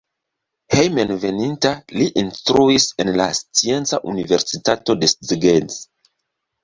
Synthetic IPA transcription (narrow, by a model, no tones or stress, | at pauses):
hejmenve̞nintaliʔinstɾuise̞nlast͡sie̞nt͡saʔunive̞ɾsitato̞de̞st͡siɡez